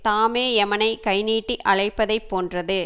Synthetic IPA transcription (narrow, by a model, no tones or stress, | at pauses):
t̪aːmeːɛmɐnɐɪkɐɪniːʈːiʔɐɭɐɪpːɐðɐɪpːoːndrɐðɯ